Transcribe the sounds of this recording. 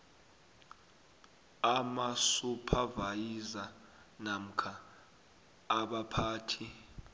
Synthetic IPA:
amasupʰavajiza | nam̩kʰa | ɓapʰaːtʰi

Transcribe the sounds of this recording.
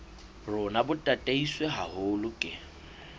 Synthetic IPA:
rʊnabʊtʼatʼeisweɦahʊlʊkʼɪ

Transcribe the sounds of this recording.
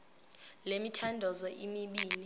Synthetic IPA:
lemitʰandʱɔzɔʔimiɓiːni

